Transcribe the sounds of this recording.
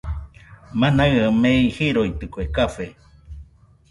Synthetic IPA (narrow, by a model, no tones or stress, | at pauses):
manaameihiɾoit̪ɨkoekafe